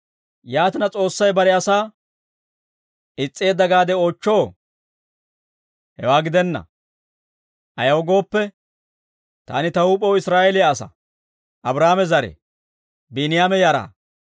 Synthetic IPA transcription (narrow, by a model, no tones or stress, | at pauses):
jaːt̪ɪnɐt͡sʼo̞ːsːɐjbɐɾɛɐsaː | ɪt͡sʼːe̞ːd̪ɐɡaːd̪ɛoːt͡ʃːo̞ː | hɛ̰waːɡɪd̪ɛnːɐ̰ | ʔɐjɐwɔɡo̞ːpːɛ | t̪a̰ːnɪt̪ɐwuːpʼːowɪsɾaːʔelɪjɐːsɐ̰ | ʔɐbɾaːmɛzɐɾɛ̰ | binɪjaːmɛjaɾa̰ː